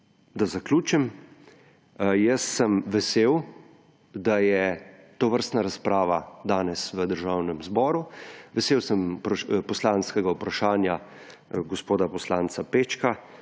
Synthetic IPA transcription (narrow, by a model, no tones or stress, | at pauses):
d̪azaklʲuːt͡ʃɛm | jəsːəmʋɛseːw | d̪ajɛt̪ɔʋəɾst̪naɾaspɾaːʋad̪aːnɛsʋəd̪əɾʒaːwnɛmzbɔːɾuʋɛseːwsəmpɾɔpɔslanskɛɡaupɾaʃaːnja | ɡɔspoːd̪apɔslaːnt͡ssapeːt͡ʃka